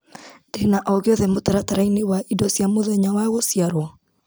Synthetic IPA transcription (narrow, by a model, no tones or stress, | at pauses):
denaʔɔɣeɔðɛmotaɾataɾainewaʔidɔsjamoðɛɲawaɣosjaɾwɔ